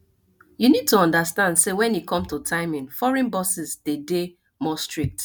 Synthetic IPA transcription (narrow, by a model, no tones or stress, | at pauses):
junid̚tuɔ̃ndəstãndsewɛ̃njikʰɔ̃mtutʰaɪmɪ̃nfɔɹɛ̃nbɔsizdede | mɔstɹik̚t